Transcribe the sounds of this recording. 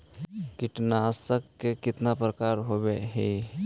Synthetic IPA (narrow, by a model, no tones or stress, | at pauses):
kɪʈnaːsəkːekɪt̪napɾəkaːɾɦobeɦe